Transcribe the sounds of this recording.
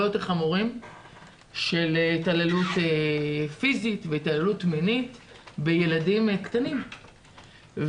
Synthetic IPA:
ot̪χamuʁim | ʃe̞ltalelut̪efizit̪veit̪alelut̪minitbejeladimkt̪anim

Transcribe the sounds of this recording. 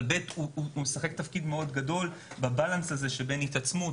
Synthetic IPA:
betuuumesaχektafkidmeo̞dɡado̞lbabalansazeʃebe̞nit̪at͡smu

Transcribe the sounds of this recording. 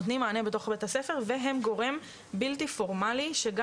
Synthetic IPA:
t̪nimaːnebet̪o̞χbet̪asefe̞ʁveɦe̞mɡo̞ʁem | bilt̪ifo̞ʁmaliʃeɡa

